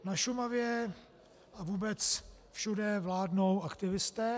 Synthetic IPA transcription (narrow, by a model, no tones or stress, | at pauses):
naʃumavjɛ | avuːbɛt͡sfʃudɛvlaːdno̞wakt̪ɪvɪst̪ɛ